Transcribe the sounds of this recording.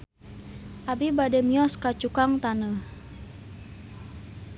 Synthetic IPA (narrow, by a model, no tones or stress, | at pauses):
ʔabibadɛmiɔskat͡ʃukaŋt̪anəh